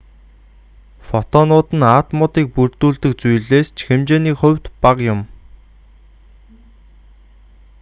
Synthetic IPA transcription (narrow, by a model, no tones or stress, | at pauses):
fɔt̪ɔnʊːt̪ə̆naːt̪mʊt̪iːk̚purt̪uːɮt̪ɘ̆k̚t͡sujɮeːst͡ɕʰxemt͡ɕeːniːkχɵ̟wʲt̪paqjʊm